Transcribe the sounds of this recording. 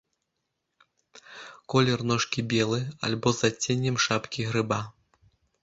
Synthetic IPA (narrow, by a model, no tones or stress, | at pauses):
kɔlʲɛrnɔʂkʲibʲɛlˠɨa̰lʲbɔzat͡sʲenʲːɛmʂapkʲiɣɾɨba